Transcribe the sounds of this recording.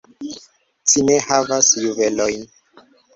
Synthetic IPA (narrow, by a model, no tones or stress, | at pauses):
t͡ʃine̞havasjuve̞lojn